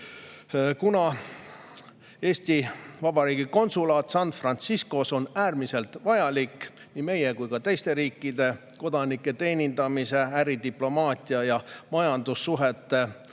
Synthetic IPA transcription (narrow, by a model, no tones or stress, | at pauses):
kunɑ | e̞ːsʲt̪ivɑb̥ɑɾiːɡiko̞nsulɑːt̪sɑnːfrɑnt̪sisko̞so̞næːrmise̞lt̪vɑjɑlikː | nime̞jekujkɑt̪e̞jst̪e̞ɾiːkˑːid̪e̞ | ko̞d̪̥ɑnikːˑe̞t̪e̞ːnʲind̪ɑmise̞æɾid̪iplo̞mɑːt̪ʲiɑjɑmɑjɑnd̪̥usːuɦe̞t̪ːˑe̞